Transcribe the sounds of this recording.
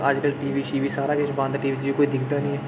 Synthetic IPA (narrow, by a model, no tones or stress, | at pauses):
əd͡ʒkəlʈiːʋiːʃiːʋiːsaːɾaːkɪʃbãːnd̪ʈiːʋiːd͡ʒʋiːkoːiːd̪ɪkʰd̪aːnĩːɛː